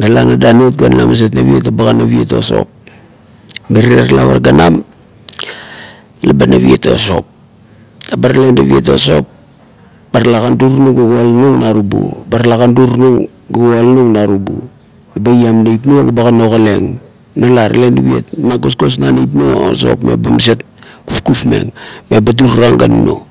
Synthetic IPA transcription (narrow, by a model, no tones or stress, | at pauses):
nalanadanotɡana̰mas̬etnaβiet̬abaɡanaβieto̞̰so̞̰p̚ | meɾiɾaɾala̰βa̰ɾɡanam | labanaβieto̰so̞p̚ | abaɾale̞ndaβietoso̞̰p | b̥aɾalakanduɾnuŋɡaɡoalnuŋnaɾubṵbaɾalakanduɾnuŋ | ɡaɡoalnuŋnaɾubṵ | mebajamnajp̬noɡabakanokale̞ŋ | nalaɾalendaβiḛtmaɡosɡo̞s̬nanejp̬noo̰so̞̰pmḛbamas̬et̚ | kufkufmḛŋmebaduɾuɾaŋɡanuno̰